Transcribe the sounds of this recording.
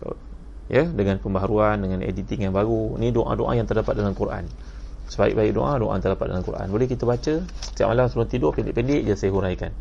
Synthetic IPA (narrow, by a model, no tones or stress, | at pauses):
jədəŋanpəmbaɦaɾuandəŋanḛdit̪iŋjaŋbaɡunidoʔã̰doʔa̰jaŋt̪ərdapat̪̚dalamkuɾa̰n | səbaḭk̚baik̚do̰ʔãdoʔa̰nt̪ərdapat̪̚dalamkura̰nbolɛhkit̪əbat͡ʃəət̪iaʔ̚malamsəbat̪idɔʔpɛndɪʔpɛndɪʔd͡ʒasajəɦuɾajkan